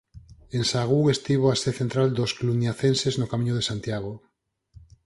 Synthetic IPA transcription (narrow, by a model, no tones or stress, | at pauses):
ensaɣ̞uŋest̪iβ̞oaseθent̪ɾald̪osklunjaθenseznokamĩɲoðesant̪jaɣ̞o